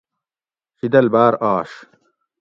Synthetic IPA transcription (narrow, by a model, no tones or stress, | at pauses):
ɕid̪ɐlbaːɾaːʂ